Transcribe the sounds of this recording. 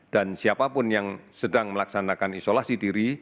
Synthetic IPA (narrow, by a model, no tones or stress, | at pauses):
d̥ansiapapʊnjaŋsədaŋməlaksanakanisolasidiɾi